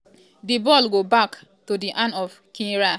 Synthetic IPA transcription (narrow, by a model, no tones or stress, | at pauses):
dibɔlɡobak | todiʔãnɔv | kĩɾa